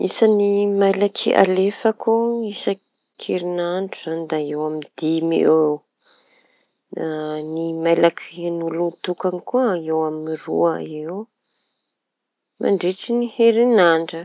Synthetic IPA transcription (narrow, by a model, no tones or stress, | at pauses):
isənimajlakʰia̰lefəkuisə | kʰeɾinaɳɖ͡ʐuz̥anid̪aewamid̪̥imḭew | animajlakʰinulut̪ukanikuəewamnirṵəew | mʔa̰ɳɖ͡ʐeʈ͡ʂiniheɾinaɳɖ͡ʐə